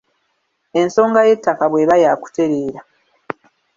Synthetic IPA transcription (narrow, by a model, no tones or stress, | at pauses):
e̞nso̞ːŋɡaje̞tːakaβwe̞βajaːku̥te̞ɾeːɾa